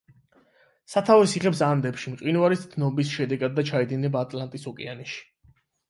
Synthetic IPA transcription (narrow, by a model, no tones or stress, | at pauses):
sat̪ʰavɛsiχɛpsand̪ɛpʃimqʼinvaɾisd̪nɔbisʃɛd̪ɛɡad̪̚ːat͡ʃʰaid̪inɛbaːt̪ʼlant̪ʼisɔkʼɛanɛʃi̥